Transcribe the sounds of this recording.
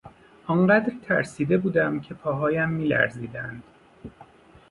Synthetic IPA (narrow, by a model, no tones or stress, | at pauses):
ʔɒɴɢæd̪ɾt̪ʰæ̰ɾsiːd̪e̞buːd̪æmcʰe̞pʰɒːɦɒːjæmːiːlæ̰ɾziːd̪ænd̪̥